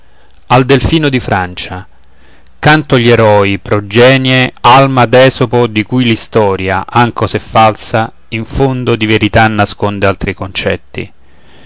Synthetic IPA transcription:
ald̪elfiːnod̪ifɾant͡ʃa | kant̪ʊʎːeɾɔipɾod͡ʒːɛːnjealmad̪ɛːsopod̪ikujlist̪ɔːɾja̰ʔaŋkosefːalsa | iɱfond̪od̪iveɾit̪anːaskond̪ealt̪ɾikont͡ʃɛ̰t̪ːḭ

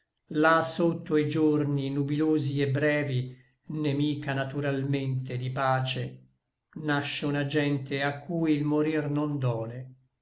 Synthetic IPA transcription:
lasot̪ːoid͡ʒorninubiloːziebɾɛːvi | nemiːkanat̪uɾalment̪ed̪ipaːt͡ʃe | naʃːeunad͡ʒɛnt̪eakʰːuːjlmoɾirnond̪ɔːle

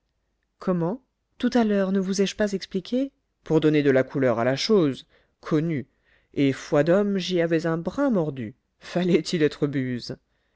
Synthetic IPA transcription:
kʰɔmɑ̃ | t̪ut̪alœʁnəvuzɛʒpazɛksplikʲʰe | puʁd̪ɔned̪əlakʰulœʁalaʃoz | kʰɔny | efwad̪ɔmʒiavɛzɛ̃bʁɛ̃mɔʁd̪y | falɛt̪ʰilɛt̪χəbyz

